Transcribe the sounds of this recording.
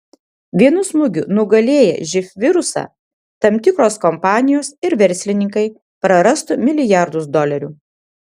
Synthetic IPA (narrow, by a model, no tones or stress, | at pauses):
ʋʲiɛnʊsmʊɡʲʊ̰nʊɡɐlʲeːjɛ̰ʒʲɪfʲʋʲɪɾʊsɑ̰ | t̪ɐmʲt̪ʲɪkɾoːskɔmpɑːnʲɪjoːsɪɾʋʲɛɾʲsʲlʲɪnʲɪŋkɐɪ | pɾɐɾɐst̪ʊmʲɪlʲɪjæˑɾd̪ʊs̬d̪ɔlʲɛɾʲuː